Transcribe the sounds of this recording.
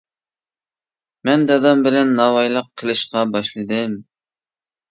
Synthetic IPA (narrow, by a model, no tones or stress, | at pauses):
mɛnd̪d̪ɑmbɪlɛnːɑwɑjlˠəqʰːəlˠɨʃqɑbɑʃlˠɨd̪ɨm